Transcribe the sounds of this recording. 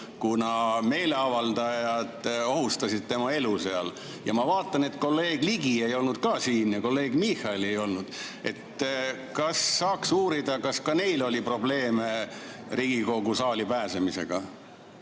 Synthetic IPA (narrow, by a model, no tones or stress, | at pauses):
kunɑme̞ːle̞ɑvɑld̪̥ɑjɑd̪̥o̞hust̪ɑsid̪̥̚t̪e̞mɑe̞luse̞ɑl | jɑmɑvɑːt̪ˑːɑne̞t̪ko̞lːe̞ːɡ̥liɡ̥ie̞jo̞lnud̪̥̚kɑːsiːnjɑko̞lːe̞ːɡ̥mihˑɑele̞jo̞lnud̪̥ | e̞t̪ | kɑsːɑːksuːɾid̪̥ɑkɑskɑne̞jlo̞lʲipro̞ble̞ːmeɾiɡ̥iko̞ɡusɑːlipæːsemise̞̰ɡ̥ɑ